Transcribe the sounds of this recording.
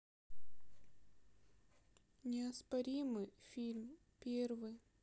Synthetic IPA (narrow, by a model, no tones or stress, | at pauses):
nʲɪɐspɐɾʲimɨjfʲilʲm | pʲervɨj